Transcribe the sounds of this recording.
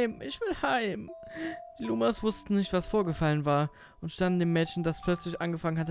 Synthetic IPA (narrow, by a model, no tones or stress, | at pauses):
ɪmʔɪçv̥ɪlhaɪmd̥iːluːmasv̥ʊstn̩nɪçtv̥asfoːɐɡəfalənvaːɐ | ʔʊntʃtandn̩deːmːɛːtçn̩daspʰl̥œt͡slɪçʔanɡəfaŋənhatə